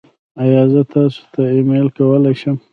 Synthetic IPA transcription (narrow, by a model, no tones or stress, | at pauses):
ajɑzət̪ɑso̥t̪aɪmelkawəlajʃəm